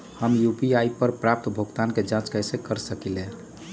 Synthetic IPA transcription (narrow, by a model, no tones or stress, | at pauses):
həmjupiaipəɾpɾap̚t̪bʱoɡt̪anked͡ʒãt͡ʃkəjsekəɾsəkile